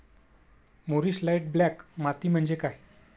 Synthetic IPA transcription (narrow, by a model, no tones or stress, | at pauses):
moɾiɕlajʈ̚blakmat̪iːm̤əɳd͡zekaj